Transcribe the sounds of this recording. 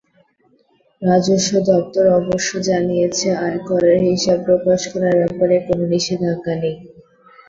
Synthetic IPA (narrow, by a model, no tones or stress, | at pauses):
ɾad͡ʑoʃːod̪ɔp̚t̪oɾɔboʃːod͡ʑanijet͡ɕʰeaekɔɾeɾɦiʃab̚pɾokaʃkɔɾaɾɛpoɾekononiʃid̪ʱakani